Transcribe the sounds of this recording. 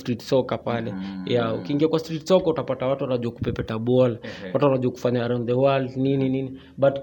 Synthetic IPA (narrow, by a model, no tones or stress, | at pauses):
stɾitsɔkapalɛjaṵkiːŋɡiakwastɾitsɔkautapatawatuanaʄaku̥pɛpɛtaɓɔlawatuwanaʄaku̥faɲaɾɔnd̪ɛwaldnininini | ɓat